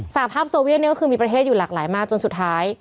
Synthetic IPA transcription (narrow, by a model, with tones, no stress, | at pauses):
sa˨˩a˦pʰaː˥˩p̚soː˧wi˥˨t̪̚ni˥˩kɔ˥xɯː˧miː˧pɾa˧eː˥˩t̪̚uː˨˩laː˨˩k̚laː˩˦jmaː˥˩k̚t͡ɕo˧nsu˨˩t̪ʰːaː˦˥j